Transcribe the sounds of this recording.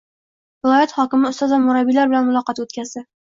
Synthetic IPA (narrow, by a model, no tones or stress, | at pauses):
vɪlˠɒjat̪hɒkʲɪmɪʊst̪ɒzvamʊɾabilaɾbɪlanmʊlˠɒqɑt̪ot̪kʲazd̪ɪ